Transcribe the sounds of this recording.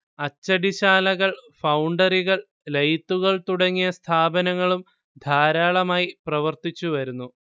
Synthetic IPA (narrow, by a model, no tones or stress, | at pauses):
ɐt͡ɕːɐɽiɕaːlɐɣɐɭfɐwuɳɖɐriɣɐɭ | lɐjt̪ːuɣɐɭt̪uɽɐŋːijɐst̪ʰaːbɐnɐŋːɐɭum | d̪ʱaːɾaːɭɐmaːjiprɐʋɐrt̪it͡ɕːuʋɐɾunːu